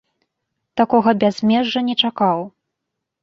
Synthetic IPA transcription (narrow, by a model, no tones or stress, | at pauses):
t̪akɔɣɐbʲazʲmʲɛʐːɐnʲɛt͡ʂakaw